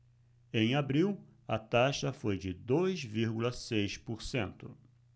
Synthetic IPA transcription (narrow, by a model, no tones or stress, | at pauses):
ẽj̃abɾiwɐt̪aʃɐfojd͡ʒɪd̪ojzviɾɡulɐsejspoɾsẽnt̪ʊ